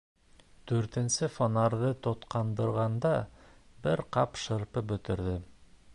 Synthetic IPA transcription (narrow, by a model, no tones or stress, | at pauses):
d̪̥ʉɾt̪ɘ̆nsɘfonɑɾðɤt̪ŏt̪qɑnd̪ɤ̆ɾʁɑnd̪ɑbɘɾqɑpʃɤ̆ɾpɤbɵ̆t̪ɘ̆ɾðɘ